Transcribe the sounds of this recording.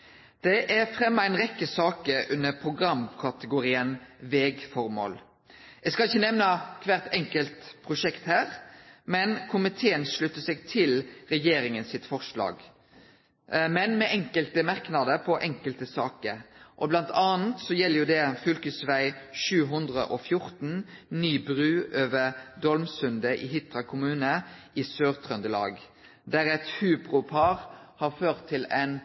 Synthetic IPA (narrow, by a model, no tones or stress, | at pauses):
d̪̥ɛʔæɾfɾɛmːɑæɪnʁɛkːəsɑːkəɾʔʉnːəpʰʁʊɡɾɑmkʰɑt̪əɡʊɾiːənʋeːɡfɔɾmo̰ːl | æskɑlɪçːənɛʋnəkʰʋæːʁt̪ɛŋkəlt̪pʰʁʊʂɛkt̪hæːʁmɛnkʰʊmɪt̪ʰeːənʂɭʉt̪ːəsɛɡt̪ʰɪlʁɛjeːɾɪŋənsɪt̪fɔʁʂlɑ̰ːɡ | mɛnmɛʔɛŋkəlt̪əmɑʁknɑd̪əpʰɔʔɛŋkəlt̪əsɑːkəɾʔɔblɑnt̪ʰɑːnt̪sɔjɛlːəʁjʊd̪ɛfʏlkəsʋæɪʃʉːɦʉnd̪ʁə̰ʔɔfjʊʁt̪n̩nyːbʁʉːʔøːʋəʁd̪ɔlmsʉnd̪əʔɪɦɪt̪ʁɑkʰʊmʉːnə | isøːʁt̪ʰʁœnd̪əlɑ̰ːɡ | d̪æɾɛt̪hʉːbʁʊpʰɑːʁ | hɑʁføːʁt̪ʰːɪlɛn